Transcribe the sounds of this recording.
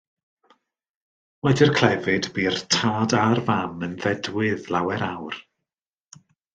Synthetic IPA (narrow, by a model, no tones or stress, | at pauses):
wɛdɪrkʰl̥ɛvɨdbiːrtʰaːdarvamənðɛdwɪðlˠawɛɾawr